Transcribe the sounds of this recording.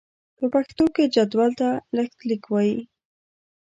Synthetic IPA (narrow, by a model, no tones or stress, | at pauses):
pəpaxt̪oked͡ʒad̪walt̪aləkt̪likwɑji